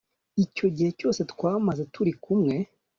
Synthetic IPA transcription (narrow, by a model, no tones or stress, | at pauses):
ico̞ɟihe̞co̞ːse̞twaːmaze̞tuɾikumŋe̞